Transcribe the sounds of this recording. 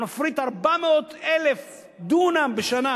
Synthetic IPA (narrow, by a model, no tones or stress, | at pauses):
nofɾit̪aʁbameot̪elef | d̪unambeʃana